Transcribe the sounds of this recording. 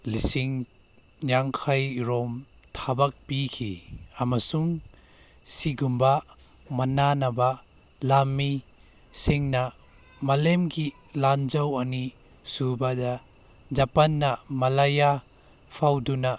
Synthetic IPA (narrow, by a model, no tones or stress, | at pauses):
lisiŋ | naŋkʰajɾɔm | tʰabak̚pikʰḭamasuŋ | siɡumba | mɐnanaba | lamːi | siŋna | mɐlemɡi | land͡ʒawani | subada | d͡ʒapanːamɐlaja | pʰawduna